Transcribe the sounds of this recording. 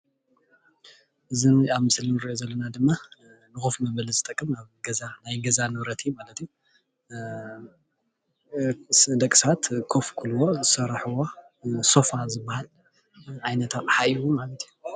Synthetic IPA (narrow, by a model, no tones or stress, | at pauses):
ʔɨzinaβmɨslɨnɾiʔozɐlːɐnad̪ɨmːanɨxufmɐβɐlizɨt̪ʼɐkʼːɨmaβɡɐzanajɡɐzanɨβɾɐt̪ʰimalɐt̪iju | d̪ɐkʼisat̪kʰofkʰulwozɨsɐɾħuwo | so̞fazɨbːahal | ʕajnɐt̪ʰaβħaʔiwumalɐt̪ʰiju